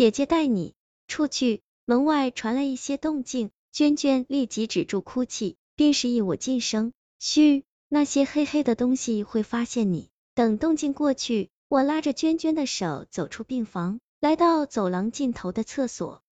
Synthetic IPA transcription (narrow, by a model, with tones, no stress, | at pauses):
t͡ɕjɛ˨˩t͡ɕjɛ˧˥t̪a˥˩ɪnḭ˨˩˦ | ʈ͡ʂʰu˥˧t͡ɕʰy˥˩ | mə˧˥ŋwa˥˩ɪʈ͡ʂʰwa˧˥nlə˧i˥˩ɕjɛ˥t̪ʊ˥˧ŋt͡ɕi˥˩ŋ | t͡ɕɥɛ˥nt͡ɕɥɛ˥nli˥˩t͡ɕi˧˥ʈ͡ʂɻ̩˨˩ʈ͡ʂu˥˩kʰu˥t͡ɕʰi˥˩ | pi˥˧ŋʂɻ̩˥˩i˥˩wɔ˨˩t͡ɕi˥˩nʂɤ˥ŋ | ɕy˥˩ | na˥˩ɕjɛ˥xe˥ɪxe˥ɪd̪ə˨t̪ʊ˥ŋɕi˨xwe˥˩ɪfa˥ɕjɛ˥˩nnḭ˨˩˦ | t̪ɤ˨˩ŋt̪ʊ˥˧ŋt͡ɕi˥˧ŋkwɔ˥˧t͡ɕʰy˥˩ | wɔ˨˩la˥ʈ͡ʂə˨t͡ɕɥɛ˥nt͡ɕɛ˥nd̪ə˨ʂo˨˩˦ʊt͡so˨˩ʊʈ͡ʂʰu˥pi˥˩ŋfɑ˧˥ŋ | la˧˥ɪt̪ɑ˥˩ʊt͡so˨˩ʊlɑ˧˥ŋt͡ɕi˥˩nt̪ʰo˧˥ʊd̪ə˧t͡sʰɤ˥˩swɔ̰˨˩˦